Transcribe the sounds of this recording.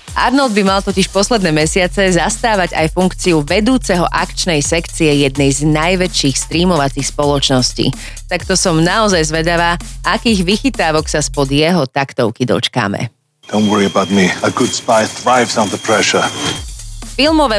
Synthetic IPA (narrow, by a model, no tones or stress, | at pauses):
ʔa̰ɾnɔld̪̚bimalˠt̪ɔciʃpɔslɛd̪nɛːmɛsɪat͡sɛzast̪aːʋaɟa̰jfuŋkt͡siuʋɛd̪uːt͡sɛɦɔʔakt͡ʃnɛjsɛkt͡siɛjɛd̪nɛjznajʋɛt͡ʃiːxst̪ɾiːmɔʋat͡sixspɔlɔt͡ʃnɔscḭː | t̪akt̪ɔsɔmnaɔzajzʋɛd̪aʋaːʔakiːɣʋixit̪aːʋɔksaspɔd̪jɛɦɔt̪akt̪ɔʊkid̪ɔ̰t͡ʃka̰ːmɛ̰ | d̥ɔ̃ʊ̃nwɔɹiəbaʊt̚miəɡʊd̥spaɪθɹaɪvsãʊnðəpʰɹɛʃə˞ | filˠmɔʋɛ